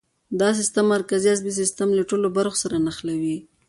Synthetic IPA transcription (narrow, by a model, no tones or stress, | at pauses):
d̪ɑs̬ɪst̪amːaɾkaziazbis̬ɪst̪amlaʈolobaɾxo̥saɾanaxlawi